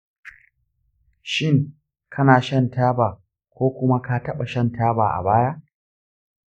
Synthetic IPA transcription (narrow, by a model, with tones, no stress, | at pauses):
ʃɪ˦ŋ | kʰɐ˦naː˨ʃɐ˦ntaː˦baː˨ | kʷoː˦kʷʊ˦ma˦ka˦tɐ˦ɓa˨ʃɐ˦ntʰaː˦baː˨ʔa̰˨baː˦ja˦